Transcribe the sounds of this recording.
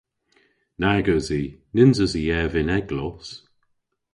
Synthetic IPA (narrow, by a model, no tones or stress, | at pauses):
naɡəzinɪnzəziɛvɪnɛɡlɔs